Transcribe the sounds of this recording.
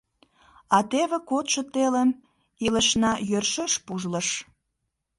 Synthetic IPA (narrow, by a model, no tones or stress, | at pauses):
ɑt̪eβĕkot̪ʃə̆t̪eləm | iləʃnɑjørʃeʃpuʒləʃ